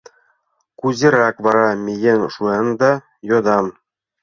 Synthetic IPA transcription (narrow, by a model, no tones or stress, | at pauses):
kuzʲĕɾækβɑɾɑmʲejenʃuɤnd̪ɑ | jod̪ɑm